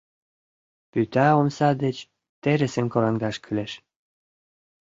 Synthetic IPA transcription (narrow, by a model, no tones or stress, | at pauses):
pyt̪ɑomsɑd̪et͡ɕ | t̪eɾĕsĕnkoɾɑŋd̪ɑʃkʰyleʃ